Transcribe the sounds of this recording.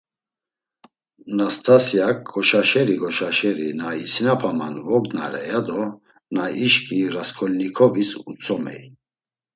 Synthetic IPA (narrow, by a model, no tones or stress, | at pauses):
nast̪ʰasijak̚ɡɔʃaʃɛɾiɡɔʃaʃɛɾinaisinapʰama̰nvɔɡna̰ɾɛ̰jad̪ɔ | naiʃkʰiɾaskʰɔlnikʰɔvisut͡sʰʼɔmɛ̰j